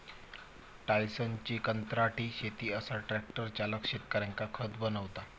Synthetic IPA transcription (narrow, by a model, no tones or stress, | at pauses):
ʈajsənt͡ɕiːkənt̪ɾaʈiːɕet̪iːəsaʈɾɛk̚ʈəɾt͡ɕaləkɕet̪̚kəɾãŋkakʰət̪bənəʋt̪a